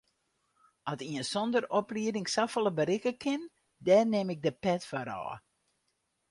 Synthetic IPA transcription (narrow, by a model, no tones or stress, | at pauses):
ɔtiənsɔndərɔpliədɪŋsafəlˠəbəɾɪkəkʰɪn | dɛːnɪmɪk̚dəpɛtfɔɾɔ̰ː